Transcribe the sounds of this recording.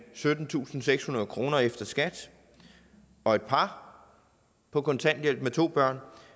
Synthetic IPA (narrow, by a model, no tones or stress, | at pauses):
sød̥n̩t͡sʰṵːsn̩seɡ̥shunɐð̞ˠkʰʁo̝ːnɐefd̥ɐsɡ̥æd̥ | ɒ̽e̝d̥̚pʰɑ̈ | pʰɒ̽kɒ̽nt͡sʰæn̰d̥jel̰b̥met͡sʰo̝̰ːb̥ɶɐ̰n